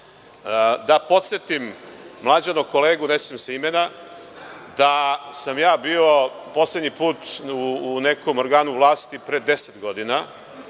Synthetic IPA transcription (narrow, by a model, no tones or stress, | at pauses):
d̪apo̞t̪se̞t̪imːlˠad͡ʑanokoleːɡunesimseimena | d̪asamjaːbiːo̞po̞sled̪ɲipuːt̪uːne̞ko̞moɾɡaːnuʋlˠaːst̪ipɾed̪e̞set̪ɡo̞d̪ina